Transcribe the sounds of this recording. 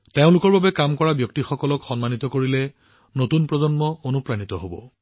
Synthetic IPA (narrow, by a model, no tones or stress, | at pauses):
teʊ̃lʊkɔɹbabɛkamkɔɹabjɔk̚tixɔkɔlɔkxɔnmanit̪ɔkoɹilɛ | notunpɹɔzɔnmɔonupɹanit̪ɔɦobɔ̰